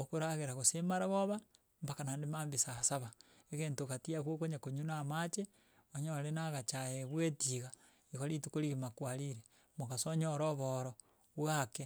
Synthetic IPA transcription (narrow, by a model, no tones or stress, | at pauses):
okuɾaɣeɾaɣosemaɾaβoβa | mbakanaːndemaːmbisasaβa | eɣeːntokatiakwokoɲakoɲunamat͡ʃe | oɲolenaɣat͡ʃajeβwetiɣa | ikolitukoɾiɣimakwaliɾe | mokasoɲoɾoβoɾo | βwake